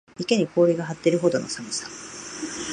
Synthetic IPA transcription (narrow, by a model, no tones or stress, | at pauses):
ike̞ɲ̟ikʰo̞ːɾʲiɡaɦat̪ːe̞ɾɯ̟ɦo̞d̪o̞no̞̰samɯsa